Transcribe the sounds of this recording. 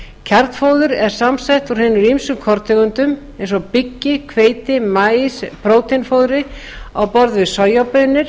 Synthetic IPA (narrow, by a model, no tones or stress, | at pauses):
cʰɛɾt̪foːwðʏɾɛɾ̥samsajht̪uɾ̥hɪːnʏɾimsʏkʰɔɾt̪ʰɛɣʏnt̪ʏm | ẽjnsɔɣpicːɪkʰveːjt̪ɪmaːjspɾoːwt̪ɪnfoːwðɾɪ | awpɔɾðvɪsɔjapœnːɪɾ̥